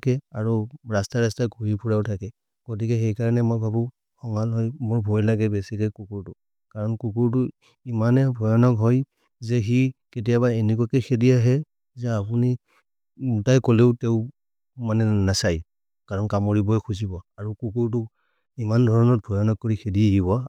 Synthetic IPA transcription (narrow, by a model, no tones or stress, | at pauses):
kɛaɹuɹastaɹastaɡʱuɹipʰuɹaʊtʰakɛ | ɡ̥otikɛxejkaɹɔnɛmɔjbʱabu | xɔŋalɦɔjmʊɹbʱojlaɡɛbesikɔjkukuɹtʊ | kaɹɔnkukuɹt̬u | imanɛbʱɔjɔnɔkɦɔj | zɛɦiketijabaenik̬ɔakɛxʰedijaɦɛ | zɛapuni | mutajkoleʊteʊ | manɛnasaj | kaɹɔnkamɔɹibɔjkʰuzibɔaɹukukuɹt̬u | imandʱɔɹɔnɔt̚bʱɔjɔnɔk̚kːoɹikʰedieɦiβɔ